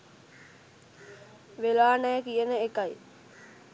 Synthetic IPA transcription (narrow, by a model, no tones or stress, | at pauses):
ʋelaːnɛːkijənəekaj